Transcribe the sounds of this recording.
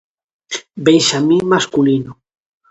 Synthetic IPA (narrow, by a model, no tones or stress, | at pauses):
benʃamĩŋmaskulino